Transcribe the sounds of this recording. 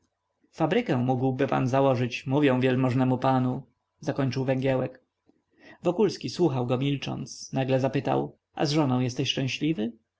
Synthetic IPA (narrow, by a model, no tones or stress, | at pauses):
fabɾɘkɛ̃muɡwbɘpa̰nzawɔʐɘt͡ɕmuvʲjɛ̃w̃vʲjɛlmɔʐnɛmupanu | zakɔɲt͡ʂɘwvɛŋɡʲjɛwɛk | vɔkulskʲiswuxawɡɔmʲilt͡ʂɔ̰nt̪snaɡlɛzapɘt̪a̰w | ʔa̰zʐɔnɔ̃w̃jɛst̪ɛɕʂt͡ʂɛ̃w̃ɕlʲivɘ